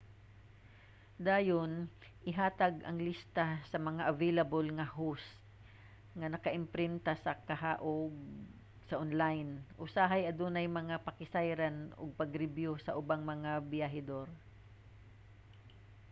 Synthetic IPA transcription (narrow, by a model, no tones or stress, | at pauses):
d̪aːjonʔɪɦaːt̪aɡʔɐŋlist̪asɐmɐŋaʔɐvelɐbolŋɐhost̪̚ | ŋɐnɐkɐʔɪmpɾɪnt̪asɐkɐɦaʔoɡ | sɐʔonlajnʔʊsaɦajʔɐd̪uːnɐjmɐŋapɐkɪsajɾanʊ̰ɡ̚pɐɡɾɪbjosɐʔʊbaŋmɐŋabɪjaɦɪd̪oɾ